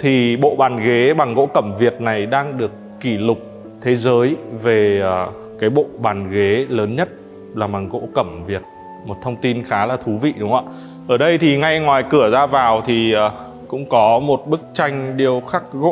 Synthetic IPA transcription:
t̪ʰi˨˩ɓo̰˧˨ɓaː˨˩nɣe˨˦ɓa˨˩ŋɣo̰˧˥kə˧˩mvi˨˩ət̚na˨˩jɗaː˧ŋɗɨ˨˩əkːi˧˩lʊ˨˩k͡p̚ | t̪ʰe˨˦zəː˨˦jve˨˩əː˨˩ | kaː˨˦jɓo̰˧˨ɓaː˨˩nɣe˨˦ləː˨˦nɲə˦˥t̚ | laː˨˩ma˨˩ŋɣo̰˧˥kə˧˩mvi˨˩ət̚ | mo˨˩t̚t̪ʰə˧wŋ͡mt̪i˧nxaː˨˦laː˨˩t̪ʰu˨˦vḭ˧˨ɗʊ˨˦ŋ͡ma̰ː˧˥ | ʔəː˧˩ɗə˧jt̪ʰi˨˩ŋa˧jŋwaː˨˩jkɨ˧˩əzaː˧vaː˨˩wt̪ʰi˨˩əː˨˩ | kʊ̰˧˥ŋ͡mkɔ˨˦mo˨˩t̚ɓɨ˦˥k̚t͡ɕa˧jŋ̟ɗi˨˧˩əwxa˦˥k̚ɣo̰˧˥

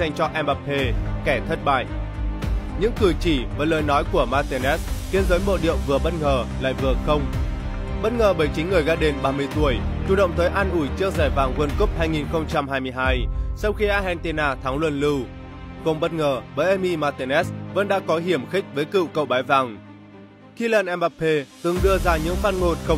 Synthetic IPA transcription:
za˧jŋ̟t͡ɕɔ˧ʔɛ˧mɓa˨˩p̚he˧kɛ˧˩t̪ʰə˦˥t̚ɓa̰ː˧˨j | ɲɨ̰˧˥ŋkɨ˨˩jt͡ɕi˧˩vaː˨˩ləː˨˩jnɔ˨˦jku˧˩əmaː˧t̪e˧nɛ˦˥sk̪i˨˦ənzəː˨˦jmo̰˧˨ɗḭ˧˨əwŋ͡mvɨ˨˩əɓə˦˥t̚ŋəː˨˩la̰ː˧˨jvɨ˨˩əxə˧wŋ͡m | ɓə˦˥t̚ŋəː˨˩ɓəː˧˩jt͡ɕï˨˦ŋ̟ŋɨ˨˩əjɣaː˧ɗe˨˧nɓaː˧mɨ˧əjt̪u˧˩əjt͡ɕu˧˩ɗə̰˧˨wŋ͡mt̪ʰəː˨˦jʔaː˧nʔu˧˩jt͡ɕɨ˧˦˥ək̚zaː˧˩jvaː˨˩ŋkwə˧nku˦˥p̚haː˧jŋi˨˩nxə˧wŋ͡mt͡ɕa˧mɦaː˧jmɨ˧əjɦaː˧jsa˧wxi˧ʔaː˧ɦɛ˧nt̪i˧naː˧t̪ʰaː˨˦ŋlwə˧˩nlɨ˧w | kʊ˧˩ŋ͡mɓə˦˥t̚ŋəː˨˩ɓəː˨˩jʔɛ˧mi˧maː˧t̪e˧nʔɛ˦˥svə̰˧˥nɗa̰ː˧˥kɔ˨˦ɦi˧˩əmxï˦˥k̟̚vəː˨˦jkɨ̰˧˨wkə̰˧˨wɓaː˨˦jvaː˨˩ŋ | xi˧laː˧˩nʔɛ˧mɓa˧˥pʰe˧t̪ɨ˨˩ŋɗɨ˧əzaː˧ɲɨ̰˧˥ŋfaː˧n̚ŋo˧nxə˧wŋ͡m

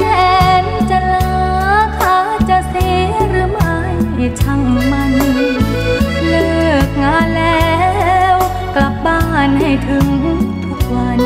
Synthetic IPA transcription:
ɛː˧nt͡ɕa˧˩la˧ | k̪ʰaː˧˩t͡ɕa˧t̪ʰe˧˥ɾɯː˧˥ma˧˩ji˧˩t͡ɕʰa˧˩ŋmaː˧˩n˧˩˧ | lɯ˧˩ək̚ŋaː˧˥lɛː˧w | ka˨˩p̚ɓaː˧˩nha˧˩jt̪ʰɯ˧ŋ˧t̪ʰu˧˩k̚aː˧˩n

